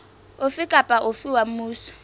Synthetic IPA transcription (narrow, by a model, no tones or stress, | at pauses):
ʊfɪkʼapʼaʔʊfɪwam̩muːsɔ̥